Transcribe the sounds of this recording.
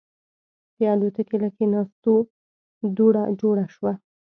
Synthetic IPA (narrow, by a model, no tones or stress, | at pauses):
pjɑd̪ut̪əkelakenɑst̪o | d̪uɽad͡ʒoɽaʃwa